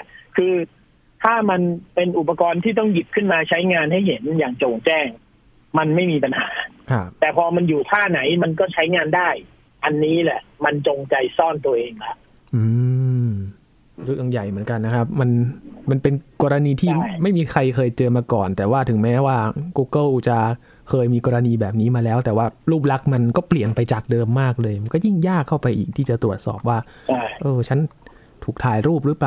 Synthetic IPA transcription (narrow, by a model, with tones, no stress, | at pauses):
kʰɯː˧ | t̪ʰaː˥˩ma˧npe˧nʔu˨˩pa˧kɔː˧nt̪ʰiː˥˩t̪ɔ˥˩ŋji˨˩p̚kʰɯ˥˩nmaː˧t͡ɕʰa˦˥jŋaː˧nɦa˥˩jhe˩˦njaː˨˩ŋt͡ɕoː˨˩ŋt͡ɕɛː˥˩ŋ | ma˧nma˥˩jmiː˧pa˧nhaː˩˦kʰa˦˥˩p̚t̪ɛː˨˩pʰɔː˧ma˧njuː˨˩t̪ʰaː˥˩na˩˦jma˧nkɔː˥˩t͡ɕʰa˦˥jŋaː˧ndaː˥˩j | ʔa˧nːiː˦˥lɛ˨˩ʔma˧nt͡ɕo˧ŋt͡ɕa˧jsɔː˥˩nt̪u˧ɐʔeː˧ŋlɛ˦˥ʔ | ʔɯː˧ | ɾu˦˥˩ja˧˩ŋja˨˩jmɯ˩˦ənka˧nːa˦˥kʰp̚ma˧nma˧npe˧nkɔː˧ɾa˧niː˧t̪ʰiː˥˩ma˥˩jmiː˧kʰɾa˧jkʰɤː˧jt͡ɕɤː˧maː˧kɔː˨˩nt̪ɛː˨˩waː˥˩t̪ʰɯ˩˦ŋmɛː˦˥waː˥˩kuː˧˥kɤ˥˩ʔt͡ɕa˨˧˩ | kʰɤː˧jmiː˧kɔː˧ɾa˧niː˧bɛː˨˩p̚niː˦˥maː˧lɛː˦˥wt̪ɛː˨˩waː˥˩ɾuː˥˩p̬̚la˦˥k̚ma˧nkɔː˥˩pli˨˩ənpa˧jt͡ɕaː˨˩k̚dɤː˧mːaː˥˩k̚lɤː˧jma˧nkɔː˥˩ji˥˩ŋjaː˥˩kʰːa˥˩wpa˧jʔḭː˨˩k̪̚ʰiː˥˩t͡ɕa˨˩t̪ɾu˨˩ət̪̚sɔ̰ː˨˩p̚waː˥˩˥ʔɤː˧t͡ɕʰa˦˥n | t̪ʰuː˨˩k̚t̪ʰaː˨˩˦jɾuː˥˩p̚ɾɯː˦˥plaː˨˩